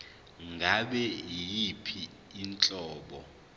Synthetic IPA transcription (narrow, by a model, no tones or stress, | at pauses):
ŋɡʱaɓɛijipʰiː | nt͡ɬʼɔːɓɔ